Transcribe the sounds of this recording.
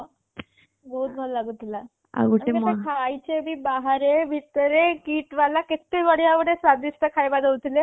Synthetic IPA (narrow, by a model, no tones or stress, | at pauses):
bout̪̚bʱallaɡut̪la | a̰ɡuʈemkʰajt͡ɕemiːbaɦaɾebʱit̪əɾekiːʈʋalakit̪eʋəɽjaʋəɽesʋad̪ist̪əkʰajbad̪ʱəʋt̪ile